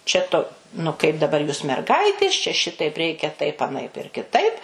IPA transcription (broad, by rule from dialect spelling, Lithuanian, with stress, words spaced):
t͡ʃʲɛ ˈtʊ nʊ kɐɪp dɐˈbɐr juːs mʲɛrˈɡɐɪtʲeːs t͡ʃʲɛ ˈʃʲɪtɐɪp ˈrʲɛɪkʲɛ tɐɪp ɐˈnɐɪp ɪr kʲɪˈtɐɪp